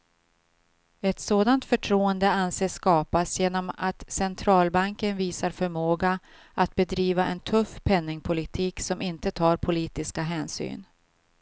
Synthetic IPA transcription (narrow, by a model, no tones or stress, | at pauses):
ɛt̪soːd̪ant̪fœʈʰɾuːənd̪əanseːsːkɑːpasjeːnɔmat̪sɛnt̪ʰɾɑːlbaŋkənviːsaɾfœɾmoːɡa | ʔat̪̚bɛd̪ɾiːvaʔɛnt̪ʰɵfpʰɛnːɪŋpʰʊlɪt̪ʰiːksɔmʔɪnt̪ət̪ʰɑːɾpʰʊliːt̪ɪskaɦɛːnsy̰ːn